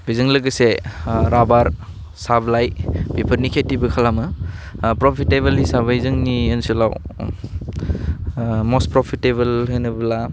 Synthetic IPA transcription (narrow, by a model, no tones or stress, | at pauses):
bizɯŋlɯɡəseɾabaɾ | sablajb̥ipʰəɾnikʰetːibɯkʰalamɯpɾopʰitebɐlɦisabɐizɯŋniensila̰w | mospɾopʰitebɐlɦenɯbɐla